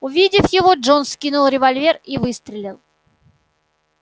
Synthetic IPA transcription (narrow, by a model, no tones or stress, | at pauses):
ʊvʲidʲɪfjɪvo̞ʐonskʲinʊlˠɾʲɪvɐlʲvʲerivɨst̪ɾʲɪlʲilˠ